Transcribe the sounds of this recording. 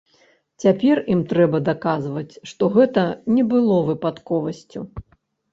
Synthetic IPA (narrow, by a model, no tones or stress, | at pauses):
t͡sʲapʲɛrimt̪ɾɛbɐd̪akazvɐt͡sʲʂt̪ɔɣɛt̪ɐnʲɛbɨlˠɔvɨpat̪kɔvɐsʲt͡sʲu